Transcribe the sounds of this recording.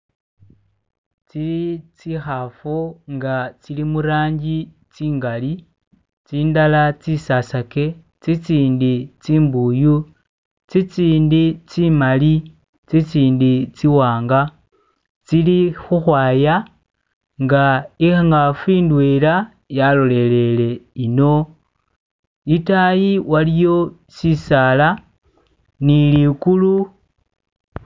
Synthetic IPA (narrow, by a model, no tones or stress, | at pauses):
t͡silit͡sixafoŋɡat͡silimuɾaːɲɟi | t͡siːŋɡali | t͡siːndalat͡sisasake̞ | t͡sit͡siːndit͡siːmbuju | t͡sit͡siːndit͡simali | t͡sit͡siːndit͡siwaːŋɡa | t͡silixuxwaːja | ŋɡaixaŋɡafiːndwela | jalole̞le̞le̞ino̞ | itajiwalijo̞ | sisala | nilikulu